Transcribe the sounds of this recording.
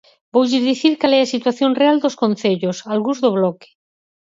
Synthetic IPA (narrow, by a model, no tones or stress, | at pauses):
bowʝiɾðiθiɾkalɛasit̪waθjonreald̪oskõnθeʎosalɣuzðoβlɔke̥